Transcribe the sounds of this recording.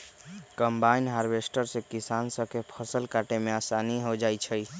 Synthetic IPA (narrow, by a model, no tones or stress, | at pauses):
kəmbainɦaɾbesʈəɾsẽkisansəkepʰəsəlkaʈemeasaniɦod͡ʒajt͡ʃʰəj